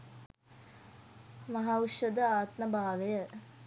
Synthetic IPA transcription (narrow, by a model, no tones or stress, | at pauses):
mɐɦauʃɐd̪əaːt̪mɐbʱaːʋejə